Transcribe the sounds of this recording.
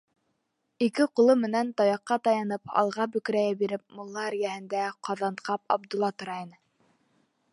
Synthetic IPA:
ikɘqŭlˠɤmɘ̆nænt̪ɑjɑqːɑt̪ɑjɑnɤpɑ̰lˠʁɑbɵ̆kɾæjæbiɾɘp̚mŏlˠːɑæɾjæhɘ̆nd̪æqɑðɑnt̪̚qɑpɑ̰b̚d̪ŏlˠːɑt̪ŏɾɑjɤnɤ

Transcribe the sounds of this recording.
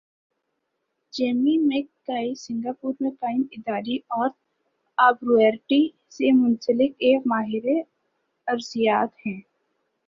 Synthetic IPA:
d͡ʒeːmimẽkːaːisɪ̃ŋɡaːpuːɾmẽkaːɪnɪd̪aːɾiɔːɾ | aːbɾuɛːɾʈi | semʊ̃nsəlɪkeːkmaːɦɪɾe | ɐɾzijaːt̪hɛ̃ː

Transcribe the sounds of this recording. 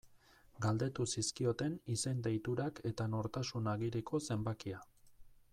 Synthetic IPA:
ɡald̪e̞t̪usiskio̞t̪e̞nise̞nd̪e̞jt̪uɾake̞t̪ano̞ɾt̪asunaɣiɾekʰo̞se̞mbakia

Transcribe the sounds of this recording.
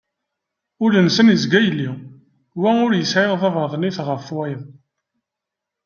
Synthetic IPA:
ʊlənsənjəzɡæjəlːi | wæʊɾjəsʕeʁðˤɑvəɾðˤniθʁəfwæjən

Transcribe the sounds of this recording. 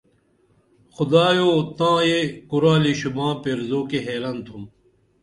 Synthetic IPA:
xʊd̪aːjoːt̪ãːjekuɾaːliɕubãːpeɾzoːkeɦeːlant̪ʰum

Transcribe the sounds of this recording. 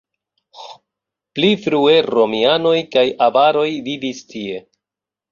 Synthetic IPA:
plifɾue̞ɾo̞miano̞jkajavaɾo̞jvivistie̞

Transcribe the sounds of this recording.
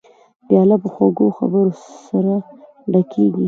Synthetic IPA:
b̪̥jɑlapəxwaɡoxa̰bəɾosaɾa | ɖakʰeɡi

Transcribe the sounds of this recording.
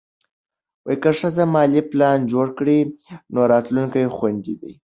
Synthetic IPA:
wajkəʂazamɑliplɑnd͡ʒoɽkɽinoɾɑt̪luŋkajxwand̪id̪ḭ

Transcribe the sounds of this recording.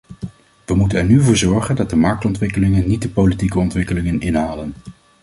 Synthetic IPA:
ʋəmutənɛɹnyvʊːɹzɔɹχəndɑt̚dəmɑɹk̚tɔntʋɪkəlɪŋənːit̚dəpowlitikəɔntʋɪkəlɪŋənɪnɦaːlən

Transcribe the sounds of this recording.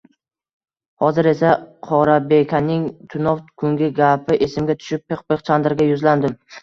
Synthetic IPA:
hɒzɪɾe̞saqʰɒɾabekʲʰanɪŋt̪ʰʊnɒfkʰʊŋɡʲɪɡʲapʰɪʔesɪmɡʲat̪ʰʊ̥ʃɪp̚peqpeχt͡ʃʰand̪ɾɡʲajʊzland̪ɪm

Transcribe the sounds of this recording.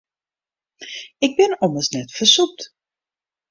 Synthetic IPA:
ɪɡ̚bɪnɔməsnɛtfərsup̚t

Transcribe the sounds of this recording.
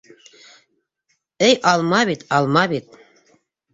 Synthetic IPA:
ɘjʔɑlˠmɑβit̪ɑlˠmɑβit̪̚

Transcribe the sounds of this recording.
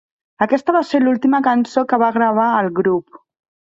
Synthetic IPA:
əkɛst̪əβaselulˠt̪iməkənsokəβaɣɾəβ̞aəlˠɣɾup̚

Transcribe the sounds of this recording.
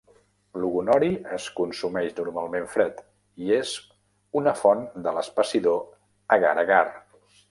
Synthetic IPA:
luɣunɔɾiəskunsumɛʃnuɾmalˠmeɱfɾɛt̪ | iez̥ | unəfɔnd̪ələspəsiðo | əɣa̰ɾəɣar

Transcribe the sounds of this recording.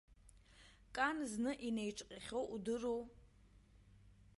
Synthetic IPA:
kʼanznɨʔinejʈ͡ʂʼqʲʼaχʲowʔudɨrow

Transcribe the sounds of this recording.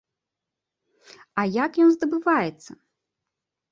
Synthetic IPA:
ɐjakjɔnzd̪ɐbɨvajɛt̪sːɐ

